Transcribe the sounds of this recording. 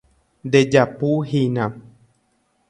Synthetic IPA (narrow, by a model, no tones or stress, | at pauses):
d̪ed͡ʒapuɦinã